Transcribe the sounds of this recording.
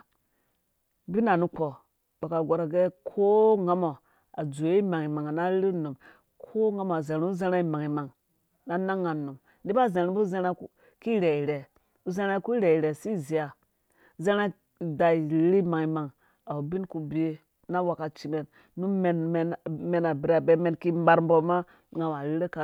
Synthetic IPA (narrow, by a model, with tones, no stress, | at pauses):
bi˦na˨nu˦k͡po˨ | ba˨ka˨ɡʷo˨ɾa˨ɡe˦kʰo˦ŋa˦mo˨ | a˨d͡zo˨je˦i˦ma˨ŋi˨ma˨ŋa˨na˦ɾi˦nu˨m | kʰo˦ŋa˦mo˨a˨ze˨ɾu˦u˦ze˦ɾa˦i˦˨ma˨ŋi˨ma˨ŋ | na˦na˦ŋːa˨nu˨m | ndi˦ba˦˨ze˨ɾi˨˦bu˦ze˦ɾa˦ | ki˦ɾe˨i˨ɾe˨ | u˦ze˦ɾa˦ku˦ɾe˨i˨ɾe˨si˦˨zi˨ja˨˦ | ze˦ɾa˦˨ | da˨i˨˦ɾi˦ma˨ŋi˨ma˨ŋ | a˨u˨bi˦nku˨bi˦e˦ | na˦wa˨ka˨t͡ʃi˨me˨n | nu˦me˨n˨nme˨na˨bi˨ɾa˨be˦me˦nki˦mba˨ɾm˦bo˦ma˦ | ŋa˨m˨a˨ɾi˦ɾe˦ka˨